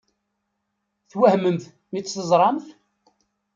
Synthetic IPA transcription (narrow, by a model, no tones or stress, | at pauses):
θwæhməmθ | mit͡sːθəzˤɾˤɑmθ